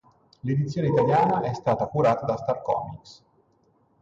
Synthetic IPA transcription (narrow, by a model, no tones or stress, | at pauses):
led̪it̪sːjoːneit̪aljaːnaʔɛst̪aːt̪akuɾaːt̪ad̪ast̪arkɔ̰ːmiks